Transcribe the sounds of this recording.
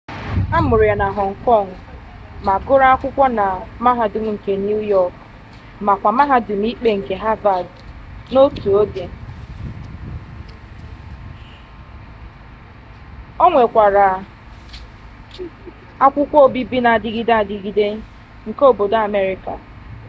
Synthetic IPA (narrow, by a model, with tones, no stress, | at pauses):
a˦mʊ˨ɾʊ˨a˨na˨ɦɔ˨ŋ̩˨kɔ˦˨ŋ̩˨ | ma˨ɡʊ˦ɾa˦a˦kʷʊ˦kʷɔ˦na˨ma˦ɦa˨dʊ˨m̩˦ŋ̩˨ke˨n˦u˦jɔ˦˨k | ma˨kʷa˨ma˦ɦa˦dʊ˨m̩˦i˦k͡pe˨ŋ̩˨ke˨ɦa˦va˨d | no˦tu˨o˦de˨ | o˦ŋʷe˨kʷa˨ɾa˨ | a˦kʷʊ˦kʷɔ˦o˦bi˦bi˦na˨a˨dɪ˦ɡi˦da˦˨dɪ˨ɡi˦de˦ | ŋ̩˨ko˦˨bo˨da˨me˦ɾɪ˨ka˨